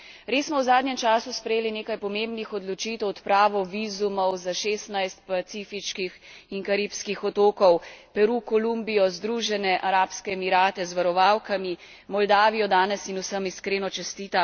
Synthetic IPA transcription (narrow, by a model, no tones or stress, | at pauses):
ɾeːsmɔwzaːd̪nɲɛmt͡ʃaːsuspɾɛjeːlineːkajpɔmembnixɔd̪lɔt͡ʃiːt̪ɛwɔt̪pɾaːʋɔʋiːzumɔwzaʃeːst̪najst̪̚pat̪sifit͡ʃkixiŋkaɾiːpskixɔt̪oːkɔwpɛɾukɔlumbijɔzd̪ɾuːʒɛnɛʔaɾaːpskɛːmiɾaːt̪ɛzʋaɾɔʋawkami | mɔld̪aːʋijɔd̪aːnɛsinusəmiskɾeːnɔt͡ʃɛst̪iːt̪a